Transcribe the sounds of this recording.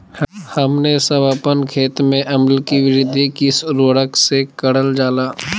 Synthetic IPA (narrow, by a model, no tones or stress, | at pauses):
hɐmnesɐbaːpənkʰeːt̪mẽʔɐməlkiʋɪɾɪd̪ʱikɪsɾoːɽəksekəɽəld͡ʒaːlaː